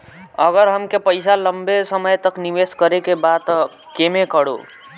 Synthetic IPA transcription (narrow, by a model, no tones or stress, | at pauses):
ʌɣəɾɦəmkepəjsaləmbesəməjt̪əkniʋeskəɾekebat̪ | kemekəɽo̰